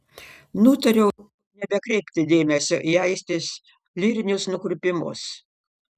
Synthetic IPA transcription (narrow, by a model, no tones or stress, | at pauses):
nut̪ɐɾʲɛʊ | nʲɛbʲɛkɾʲɛɪpʲt̪ʲɪd̪ʲeːmʲɛsʲoʔiæɪsʲt̪ʲɪsʲ | lʲiːɾʲɪnʲʊsnʊkɾʲʊpʲɪmʊ̰s